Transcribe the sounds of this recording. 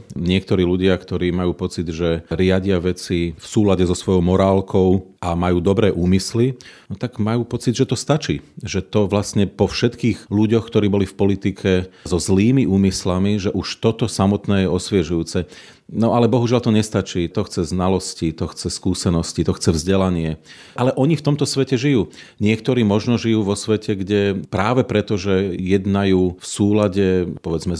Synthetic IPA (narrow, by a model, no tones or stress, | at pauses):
ɲɪɛkt̪ɔɾiːluɟɪakt̪ɔɾiːmajuːpɔt͡sid̪ʒɛɾɪaɟɪaʋɛt͡sifsuːlaɟɛzɔsʋɔjɔʊmɔɾaːlkʰɔʊamajuːd̪ɔbɾɛːʔuːmislinɔt̪aɡmajuːpɔt͡sid̪ʒɛt̪ɔst̪at͡ʃiːʒɛt̪ɔʋlasɲɛpɔfʃɛt̪kiːɣluɟɔxkt̪ɔɾiːbɔlifpɔlit̪ikʰɛzɔzliːmiʔuːmislamiʒɛʔuʃt̪ɔt̪ɔsamɔt̪nɛːjɛɔsʋɪɛʒujuːt͡sɛ | nɔʔalɛbɔɦuʒɪalt̪ɔɲɛst̪at͡ʃiːt̪ɔxt͡sɛznalɔscit̪ɔxt͡sɛskuːsɛnɔscit̪ɔxt͡sɛvzɟɛlaɲɪɛ | ʔalɛʔɔɲift̪ɔmt̪ɔsʋɛcɛʒijuː | ɲɪɛkt̪ɔɾiːmɔʒnɔʒijuːʋɔsʋɛcʰɛɡɟɛpɾaːʋɛpɾɛt̪ɔʒɛjɛd̪najuːfsuːlaɟɛpɔʋɛd͡zmɛ